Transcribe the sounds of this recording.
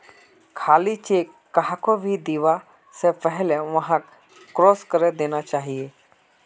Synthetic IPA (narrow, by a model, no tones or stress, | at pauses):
kʰaːlit͡ʃe | kɐɦakobʱid̪iʋa | sepəɦɪlɛʋɐɦãkː | ɾoːskəɾed̪eːnat͡ʃaːɦie